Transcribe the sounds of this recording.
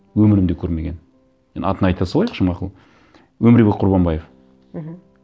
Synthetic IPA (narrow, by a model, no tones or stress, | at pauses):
wɵmɪɾɪmd̪ekʲʰɵɾme̞ɡʲe̞n | ḛnɑt̪ənɑjt̪ɑsɑlˠɑjəqʃəmɑqəlˠ | wɵmɪɾbek̚qʰʊɾbɑnbɑjef